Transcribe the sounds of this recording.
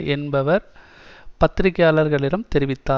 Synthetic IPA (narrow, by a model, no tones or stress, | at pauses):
ɛnbɐʋɐɾ | pɐt̪ːɪɾɪkːɐjaːlɐɾɣɐɭɪɾɐmt̪ɛɾɪʋɪt̪ːaː